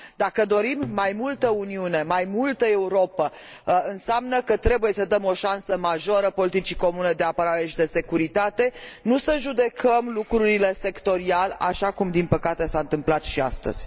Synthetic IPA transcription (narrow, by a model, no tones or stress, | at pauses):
d̪akəd̪o̞ɾimːajmult̪əuniune̞majmult̪əe̞uɾo̞pə | ɨnsamnəkət̪ɾe̞buje̞səd̪əmo̞ʃansəmaʒo̞ɾəpo̞lit̪it͡ʃiko̞mune̞d̪e̞apəɾaɾe̞ʃid̪e̞se̞kuɾit̪at̪e̞nusəʒud̪e̞kʰəmlukɾuɾile̞se̞kt̪o̞ɾiala̰ʃakumd̪inpəkat̪e̞saɨnt̪ɨmplat̪ʃia̰st̪ə̰z̥ʲ